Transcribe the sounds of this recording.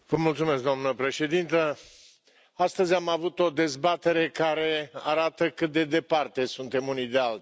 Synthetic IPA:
vəmult̪sume̞sk̚d̪oamnəpɾe̞ʃe̞d̪int̪ə | ast̪əzʲamavut̪o̞d̪e̞zbat̪e̞ɾe̞kaɾe̞aɾat̪əkɨt̪̚d̪e̞d̪e̞part̪e̞sunt̪e̞munijd̪e̞alt̪

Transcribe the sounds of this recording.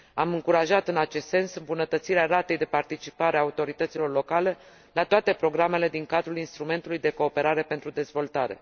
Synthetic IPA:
amɨŋkuɾaʒat̪ɨnat͡ʃe̞st̪se̞nsɨmbunət̪ət̪siɾeaɾat̪e̞jd̪e̞part̪it͡ʃi̥paɾeaut̪o̞ɾit̪ət̪silo̞rlo̞kale̞ | lat̪oat̪e̞pɾo̞ɡɾame̞le̞d̪iŋkad̪ɾulinst̪ɾume̞nt̪ulujd̪e̞ko̞ːpe̞ɾaɾe̞pe̞nt̪ɾud̪e̞zvo̞lt̪aɾe̞̰

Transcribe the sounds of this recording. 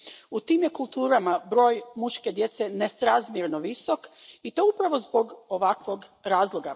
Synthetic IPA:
ut̪iːmjekulˠt̪uːɾamabɾo̞ːjmuʃke̞d̪je̞t̪senest̪ɾazmjeɾnoʋiso̞kit̪o̞upɾaʋo̞zbo̞ɡoʋakʋo̞ɡɾaːzlˠo̞ɡa

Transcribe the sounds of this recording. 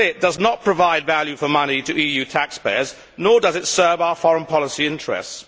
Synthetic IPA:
ɪt̚d̥ʌznət̚pʰɹ̥əvaɪdvælˠjʉfəmʌnitʰəʔiːjʉtʰækspeɪəz | nɔːdʌzɪtsɜ˞vaʊəfɒɹə̃npʰɒləsiɪ̃nt͡ʃɹ̥ɛ̰sts

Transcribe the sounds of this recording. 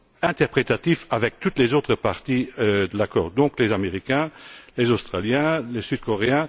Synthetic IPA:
ɛ̃t̪ɛʁpχet̪at̪ifavɛk̚t̪ut̪lezoːt̪χəpaʁt̪id̪əlakɔ̰ːʁd̪ɔ̃klezameʁikɛ̃lezost̪χaljɛ̃lesyd̪̥̚kɔʁeɛ̃

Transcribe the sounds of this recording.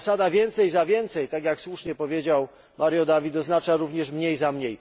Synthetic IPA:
sad̪avʲjɛnt̪sɛjzavʲjɛnt̪sɛjt̪aɡjakswuʂɲɛpɔvʲjed͡ʑaw | maɾjɔd̪avʲit̪ɔznat͡ʂaɾuvɲɛʂmɲejzamɲej

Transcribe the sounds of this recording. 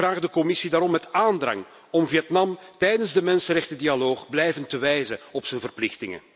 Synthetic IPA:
aːɣdəkɔmɪsidaːɾɔmːɛtaːndrɑ̰ŋ | ɔmviɛtnɑmtɛjdənzdəmɛnsənrɾɛxtədialoːχblɛjvəntəʋɛjzəɔpsənvərplɪxtɪŋə̰

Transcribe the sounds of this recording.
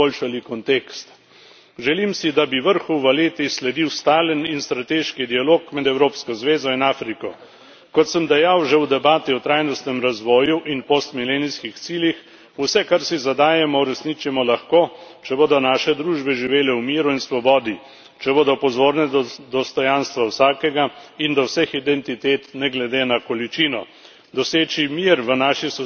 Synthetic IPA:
olʃalikɔnt̪ekst̪ | ʒɛlimsid̪abiʋəɾxuʋəleːt̪islɛd̪iwst̪aːləninst̪ɾat̪eːʃkid̪ialoːkmɛd̪ɛwɾoːpskɔzʋeːzɔinaːfɾikɔ | kɔt̪səmd̪ɛjawʒɛwd̪ɛbaːt̪iɔt̪ɾaːjnɔst̪nɛmɾazʋɔːjuʔinpost̪mileːnijskixt̪siːljix | usɛkaɾsizad̪aːjɛmɔwɾɛsnit͡ʃimɔlaxkoːt͡ʃɛboːd̪ɔnaːʃɛd̪ɾuʒbɛʒiʋeːlɛwmiːɾuinsʋɔbɔːd̪i | t͡ʃɛboːd̪ɔpɔzoːɾnɛd̪ɔst̪ɔjanst̪ʋawsaːkɛɡaind̪ɔwsɛxid̪ɛnt̪it̪eːt̪nɛɡlɛd̪enakɔlit͡ʃinɔ | d̪ɔseːt͡ʃimiɾʋənaːʃisɔ

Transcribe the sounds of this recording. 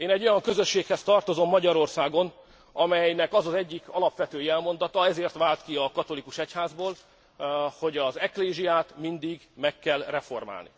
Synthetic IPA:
eːnɛɟːo̞jɒŋkøzø̞ʃːeːkhɛst̪ɒrt̪o̞zo̞mːɒɟɒɾo̞rsaːɡo̞n | ɒmɛjnɛkɒzɒzɛɟːikʰɒlɒpʋɛt̪øːjɛlmo̞n̪d̪ɒt̪ɒɛzeːrt̪ʋaːlt̪kiɒkɒt̪o̞likuʃɛchaːzboːl | ho̞ɟɒzɛkleːʒiaːt̪mind̪iɡmɛkːɛlrɛfo̞̰rma̰ːlnḭ

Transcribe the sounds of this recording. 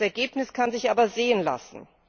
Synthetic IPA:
ɛɐɡeːpnɪskʰanzɪçʔaːbɐzeːənla̰sn̩

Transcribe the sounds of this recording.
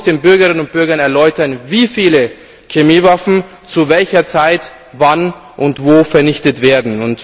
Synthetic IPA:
d̥eːnbʏɐɡɐɪnənʊnt̚b̥ʏɐɡɐnɛɐlɔʏtɐnviːfiːlə | kemiːvafn̩ | t͡suvɛlçɐt͡saɪt | van | ʔʊntv̥oːfɛɐnɪçtətv̥eːɐdn̩ʊnt

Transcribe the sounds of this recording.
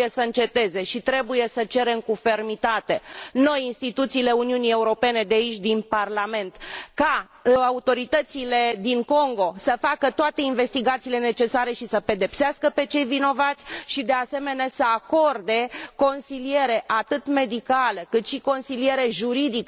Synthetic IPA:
jesəɨnt͡ʃe̞t̪e̞ze̞ʃit̪ɾe̞buje̞sət͡ʃe̞ɾe̞mkufe̞rmit̪at̪e̞no̞jinst̪it̪ut̪siːle̞uniunie̞uɾo̞pe̞ne̞d̪eait͡ʃʲd̪inparlame̞nt̪ka | aut̪o̞ɾit̪ət̪sile̞d̪iŋko̞ŋɡo̞səfakət̪oat̪e̞inve̞st̪iɡat̪siːle̞ne̞t͡ʃe̞saɾe̞ʃisəpe̞d̪e̞pseaskəpe̞t͡ʃe̞jvino̞vat̪sʲʃid̪e̞ase̞me̞neasəako̞rd̪e̞ko̞nsilie̞ɾe̞ʔat̪ɨt̪me̞d̪ikaləkɨt̪ʃiko̞nsilie̞ɾe̞ʒuɾid̪ik

